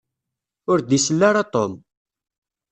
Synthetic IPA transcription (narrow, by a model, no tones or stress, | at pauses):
ʊɾd̪isəlːaɾat̪ˤom